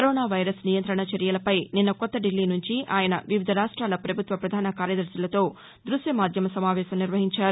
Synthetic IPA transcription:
kɐɾoːnaːʋɐjɾɐsnijɐnt̪ɾɐɳɐt͡ʃɐɾjɐlɐpɐjninːɐkɔt̪ːɐɖilːiːnuɲt͡ʃiaːjɐnɐʋiʋid̪ʱɐɾaːʂʈɾaːlɐpɾɐbʱut̪ʋɐpɾɐd̪ʱaːnɐkaːɾjɐd̪ɐɾsɐlɐt̪o̞ː | d̪ɾusjɐmaːd̪ʱjɐmɐsɐmaːʋɛːʃɐmniɾʋɐɦiɲt͡ʃaːɾu

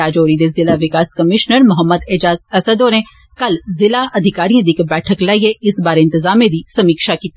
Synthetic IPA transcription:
aːd͡ʒoːɾid̪ezɪlaʋɪkaːskəmɪʃnəɾmʊɦəmːəd̪ɪd͡ʒaːzəsəd̪oːɾẽː | kəlzɪlaʔəd̪ʱɪkaːɾiãːd̪iːkbɛːʈʰəklaːieɪsbaːɾeɪ̃nt̪ɪzaːmẽd̪iːsɐmiːkʃakiːt̪e

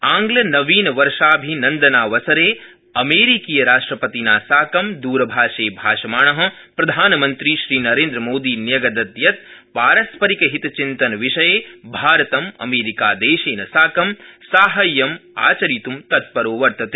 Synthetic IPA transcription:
aːŋɡlɐnɐʋiːnɐʋɐɾʃaːbʱinɐnd̪ɐnaːʋɐsɐɾeː | ɐmeːɾikiːjɐɾaːʂʈɾɐpɐt̪inaːsaːkɐmd̪uːɾɐbʱaːʃeːbʱaːʃɐmaːɳɐɦɐ̆pɾɐd̪ʱaːnɐmɐnt̪ɾiʃɾiːnɐɾeːnd̪ɾɐmoːd̪iːnjɐɡɐd̪ɐd̪jɐt̪̚paːɾɐspɐɾikɐɦit̪ɐt͡ʃint̪ɐnɐʋiʃɐjeːbʱaːɾɐt̪ɐmɐ̰meːɾikaːd̪eːʃeːnɐsaːkɐmsaːɦɐjːɐma̰ːt͡ʃɐɾit̪umt̪ɐt̪̚pɐɾoːʋɐɾt̪ɐt̪eː

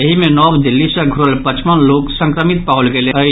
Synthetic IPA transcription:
eɦimenɔbd̪ilːisə̃ɡʱuɾəlpət͡ʃmənloksə̃ŋkɾəmit̪̚paulɡeleə

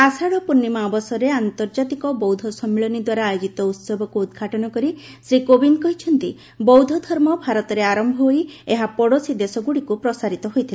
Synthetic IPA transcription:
asaɽɔpunːimabɔsɔɾeant̪ɔɾd͡ʒat̪ikɔbɔwd̪ʱɔsɔmːiɭɔnid̪waɾaːjod͡ʒit̪ɔut̪sɔbʱɔkuːd̪ɡʱaʈɔnɔkɔɾi | sɾikobinkɔɦit͡ʃʰɔnt̪i | bɔwd̪ʱɔd̪ʱɔɾmɔbʱaɾɔt̪ɔɾeaɾɔmbʱɔɦojeɦapɔɽosid̪esɔɡuɽikupɾɔsaɾit̪ɔɦojt̪ʰile

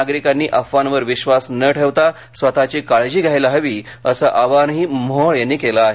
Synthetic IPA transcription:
aɡɾikanːiːʔəfːanʋəɾʋiɕʋasnəʈʰeʋt̪a | sʋət̪at͡ɕiːkaɭd͡ʑiːɡʱajləɦəʋiː | əsəʔaʋanɦiːmɔɭjanːiːkelaːɦe

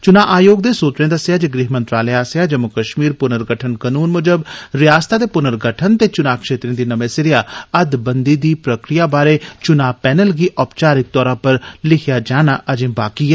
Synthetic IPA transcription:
t͡ʃʊnaːʔaːjoːɡ̚d̪eːsuːt͡ʃɾẽːd̪əsːjaːd͡ʒiɡɾɪɦmə̃nt̪ɾaːlɛaːsjaːd͡ʒəmʊkəʃmiːɾpʊnəɾɡəʈʰənkənuːnmʊd͡ʒəbɾɪjaːst̪aːd̪eːpʊnəɾɡəʈʰənt̪eːt͡ʃʊnaːkʃeːt̪ɾẽːd̪iːnəmẽːsɪɾɪjaːəd̪bənd̪iːd̪iːpɾəkɾɪjaːbaːɾeːt͡ʃʊnaːpɛːnəlɡiːʔɔːpt͡ʃaːɾɪk̚t̪ɔːɾãːpəɾlɪkʰɪjaːd͡ʒaːnaːʔəd͡ʒẽːbaːkiɛː

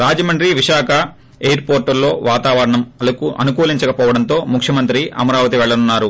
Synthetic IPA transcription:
ɾaːd͡ʒɐmɐɳɖɾiʋiʃaːkʰɐ | ejɐɾpoːɾʈulːo̞ːʋaːt̪aːʋɐɾɐɳɐmɐlɐkuʔɐ̰nukuːliɲt͡ʃɐkɐpɔːʋɐɽɐnt̪o̞ːmukʰjɐmɐnt̪ɾiʔɐ̰mɐɾaːʋɐt̪̬iʋɛɭːɐnunːaːɾu

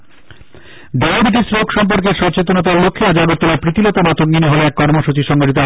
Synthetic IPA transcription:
b̪aobiʈ̬isɾokʃɔmpoɾkeɾʃɔɾt͡ɕet̪onot̪̬aɾlokʰːead͡ʑaɡot̪ːoɾaɾpɾit̪ilɔt̪amat̪ʰokɡineɦoleɛkːɔɾmoʃut͡ɕiʃɔŋɡoʈit̪o

